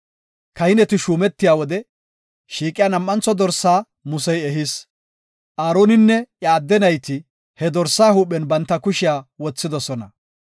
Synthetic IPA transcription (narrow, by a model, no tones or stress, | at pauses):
kɐhɪnɛt̪ɪʃuːmɛt̪ːɪjaːwɔd̪ɛ | ʃiːkʼɪjaːnɐmːɐnt͡sːɔd̪ɔɾsːaː | mʊsɛjɛɦɪs | ʔaːɾoːnɪnːɛjaːd̪ːɛnɐjt̪ɪ | hɛd̪ɔɾsːaːhuːpːɛnbɐnt̪ːɐkʊʃɪjaːwɔt͡sːɪd̪ɔsɔnɐ̰